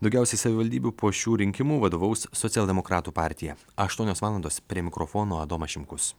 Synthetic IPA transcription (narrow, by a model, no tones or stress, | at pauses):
d̪ɐʊɡʲɛˑʊsʲɛɪsɐʋʲɪʋɐlʲd̪ʲiːbʲuːpoːʃʲuːɾʲɪŋʲkʲɪmuːʋɐd̪oːʋɐʊssɔɛlʲˠd̪ʲɛmokɾɑːt̪uːpɑːˑɾʲt̪ʲɪjɛ | ɐɐʃt̪uɔnʲoːsʋɑːlˠɐnd̪oːspʲɾʲiɛmʲɪkɾofoːnoːɐd̪oːmɐʃʲɪmkʊs